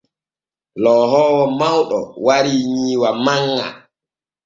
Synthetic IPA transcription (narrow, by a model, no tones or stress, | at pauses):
lɔːɦɔːwɔmawɗɔ̰waɾiɲiːwamaŋːa̰